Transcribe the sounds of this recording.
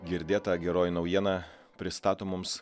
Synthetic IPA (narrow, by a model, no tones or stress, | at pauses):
ɡʲɪɾʲd̪ʲeːt̪ɐɡʲɛɾoːjɪnɒʊjiɛnɑ | pʲɾʲɪst̪ɑːt̪oːmʊms